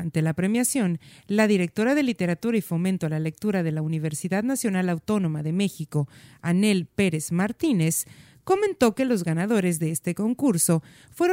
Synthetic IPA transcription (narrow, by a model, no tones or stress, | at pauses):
nt̪e̞lapɾe̞mjasjo̞nlaðiɾe̞k̚t̪o̞ɾaðe̞lit̪e̞ɾat̪uɾaifo̞mẽnt̪oalale̞k̚t̪uɾaðe̞launiβ̞e̞ɾsiðaðnasjo̞nalawt̪o̞no̞maðe̞me̞xiko̞ane̞lpe̞ɾe̞zmaɾt̪ine̞s | ko̞mẽ̞nt̪o̞ke̞lo̞zɣanað̞o̞ɾe̞zðe̞est̪e̞ko̞ŋkuɾso̞ | fwe̞ɾo